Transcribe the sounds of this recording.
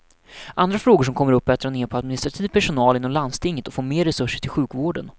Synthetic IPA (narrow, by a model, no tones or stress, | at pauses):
ʔand̪ɾafɾoːɡʊʂ̬ɔmkʰɔmːəɾɵpːɛːt̪ɾaneːɾpʰɔad̪mɪnɪst̪ɾat̪ʰiːvpʰæʂʊnɑːlɪnɔmland̪st̪ʰɪŋːət̪ɔfoːɾmeːɾːɛsɵʂːəʈʰɪlɧʉ̟ːkvoːɖən